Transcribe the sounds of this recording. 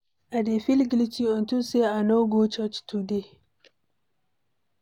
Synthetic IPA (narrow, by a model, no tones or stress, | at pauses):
ʔadefilɡlit͡ʃiɔntuseanoɡot͡ʃɔt͡ʃtude